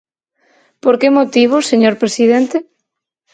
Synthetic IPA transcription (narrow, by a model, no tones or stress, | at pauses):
poɾkemot̪iβ̞ʊseɲoɾpɾesiðent̪e